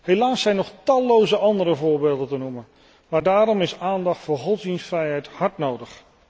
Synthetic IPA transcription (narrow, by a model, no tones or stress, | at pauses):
helaːsɛjnɔχtɑlˠːowzəʔɑndəɾəvʊːɹbeːlˠdətənumən | maːɹdaːɾɔmɪsaːndɑχtfʊːɹχɔtzdinsfrɛjɦɛjthɑɹtnowdəχ